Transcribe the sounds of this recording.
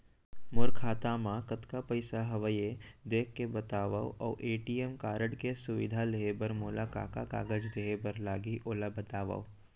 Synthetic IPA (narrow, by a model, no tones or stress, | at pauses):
mʊɾkʰaːt̪amãkɐt̪kapəɪsaɦɐʋəjed̪eːkʰːebɐt̪aːʋaoʔɔ̰ːʔeːʈiːemkaːɾəɽkesʊʋɪ̰d̪ʱaleebəɾmoːlaka̰ːka̰ka̰ːɡəd͡ʒd̪eɦebəɾlaːɡiʔoːlabɐt̪aːʋa̰ːo